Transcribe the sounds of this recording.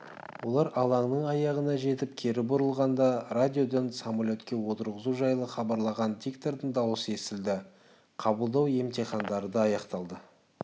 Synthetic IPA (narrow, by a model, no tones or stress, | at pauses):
wo̞lˠɑɾɑlˠɑɴnəɴɑjɑʁənɑʒe̞t̪ɪp̚kʲʰe̞ɾɪbʊɾəlˠʁɑnd̪ɑrad̪ʲijo̞d̪ensamalʲo̞t̪kʲe̞wo̞t̪əɾʁəzuʒɑjlˠəχɑbɑɾlˠɑʁɑnd̪ikt̪oɾd̪əɴd̪ɑwəse̞sɪld̪ɪ | qʰɑbəlˠd̪ɑwe̞mt̪ʰeχɑnd̪ɑɾəd̪ɑːjɑqt̪ɑlˠd̪ə